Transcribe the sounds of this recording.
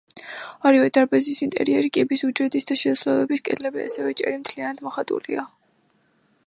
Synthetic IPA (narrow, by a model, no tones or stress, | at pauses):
aɾivɛd̪aɾbɛzisint̪ʼɛ̰ɾiɛɾikʼibisud͡ʒɛt̪ʼisd̪aʃɛslɛlˠɔbiskʼɛd̪lɛbia̰sɛvɛt͡ʃʼɛ̰ɾimt̪ʰlianad̪mɔχat̪ʼṵlḭa